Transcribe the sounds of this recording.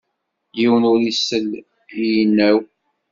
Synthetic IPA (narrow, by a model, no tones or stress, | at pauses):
jiwənʊɾisːəl | ijənːæw